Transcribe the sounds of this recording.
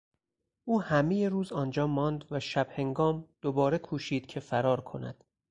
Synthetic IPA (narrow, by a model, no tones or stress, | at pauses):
ʔuːhæmeje̞ɾuːzɒːnd͡ʒɒːmɒːnd̪væʃæb̥he̞ŋɡɒːmd̪̥obɒːɾekʰuːʃiːd̪̥cʰe̞fæɾɒːɾkʰo̞̰næ̰d̪̥